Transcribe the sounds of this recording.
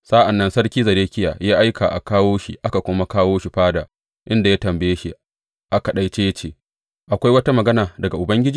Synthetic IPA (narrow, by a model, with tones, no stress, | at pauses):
sa˦ʔa˨nːɐ˦nsɐ˦rkʲiː˦zɐ˨ɾeː˦kʲɪ˦ja̰ː˨jaː˦ʔa˦jka̰˨ʔa̰˨kaː˦woː˦ʃḭ˨ʔa˦ka˨kʷʊ˦ma˦kaː˦woː˦ʃi˨ɸaː˦daː˨ | ʔɪ˦nda˨ja˦tɐ˨mbɐ˨jeː˦ʃi˨ | ʔa˦ka˨ɗa˦jt͡ʃeː˦jɐ˦t͡ʃeː˨ | ʔa˨kʷa˦jwɐ˦ta˦mɐ˨ɡɐ˦naː˨dɐ˨ɡa˨ʔʊ˨bɐ˦ŋɡʲɪ˦d͡ʒiː˦